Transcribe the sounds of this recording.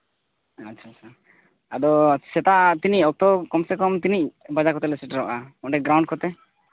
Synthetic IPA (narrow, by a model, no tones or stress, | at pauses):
atːʃʰat͡ʃʰa | ad̪ɔsɛt̪at̪iniɔk̚t̪ɔkɔmsekɔmt̪inibad͡ʒakɔt̪ɛlesɛʈɾɔʔamɔɖɛɡɾaw̃ɳɖ̚kɔt̪ɛ